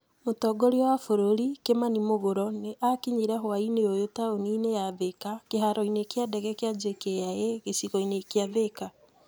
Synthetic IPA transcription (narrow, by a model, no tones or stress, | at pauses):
motɔɡɔɾiɔwafoɾoɾikemanimoɣoɾɔneʔakiɲeɾɛɦowaineojotaoninejaðekakeɦaɾɔinekeadɛɣɛkjad͡ʒekejajɛɣesiɣɔinekeaðeka